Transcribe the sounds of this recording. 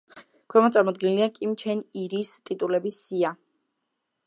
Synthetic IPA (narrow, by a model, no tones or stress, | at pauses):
kʰwɛmɔt̪sʼaɾmɔd̪̚ɡinliakʼimt͡ʃʰɛniɾist̪ʼit̪ʼulɛbisːia